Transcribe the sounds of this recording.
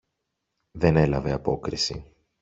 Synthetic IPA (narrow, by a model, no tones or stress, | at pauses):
ðe̞ne̞lɐve̞ɐpo̞kɾisḭ